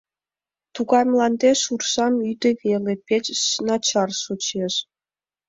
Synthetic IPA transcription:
t̪uɣɑjmlˠɑnd̪eʃursɑmyd̪eβelepʲet͡ɕːnɑt͡ɕɑrʃot͡ɕeʃ

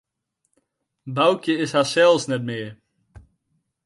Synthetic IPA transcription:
bawkjəɪsɦasɛlˠsnɛtmɪə

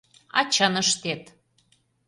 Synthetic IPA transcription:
ɑ̰t͡ɕənəʃt̪et̪

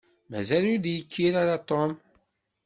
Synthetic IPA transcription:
mæzælud̪jəkʰːiɾaɾat̪ˤom

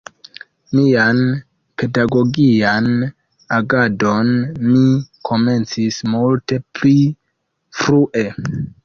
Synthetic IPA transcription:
mian | pe̞daɡo̞ɡian | aɡado̞nmikʰo̞me̞nt͡sismulte̞pli | fɾuʔe̞

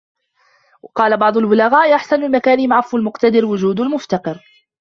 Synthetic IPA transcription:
wɑqɑːlabɑʕd̪ˤʊlbʊlaɣaːʔʔaħsanalmakaːnɪmʕɑfːalmʊqt̪ad̪ɪɾwʊd͡ʒuːd̪almʊft̪ɑqɨɾ

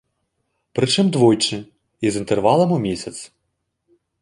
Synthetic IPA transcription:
pɾɪt͡ʂɪmd̪ʋɔjt͡ʃɪ | izint̪erʋɑlˠɐmumʲisʲɐt̪s

